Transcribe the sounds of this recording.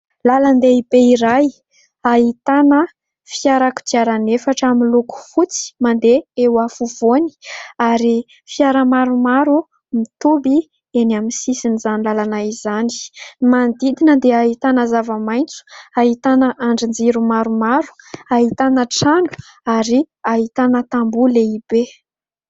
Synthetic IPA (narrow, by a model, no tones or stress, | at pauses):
laland̪eibeiɾaj | aɦit̪anə | fiaɾaku̥d̪iaɾanefaʈ͡ʂamiluku̥fut͡si̥mand̪eewafuvoni̥aɾi | fiaɾəmaɾumaɾu | mit̪ubi | enaminsisinizanlalanaizani̥mand̪id̪inəd̪eait̪anəzavəmajnt͡su̥aɦit̪anəʔaɳɖ͡ʐind͡ziɾumaɾumaɾu̥aɦit̪anəʈ͡ʂanu̥ | aɾi | aɦit̪anət̪ambuleibe